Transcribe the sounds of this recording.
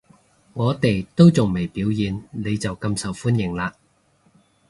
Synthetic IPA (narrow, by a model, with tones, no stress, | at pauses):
ŋɔː˨˧t̪e˨jt̪o˥wt͡sʊ˨ŋme˨˩jpiː˨˥wjiː˨nle˨˧jt͡sɐ˨wkɐ˧msɐ˨˩wfuː˥njɪ˨˩ŋlaː˧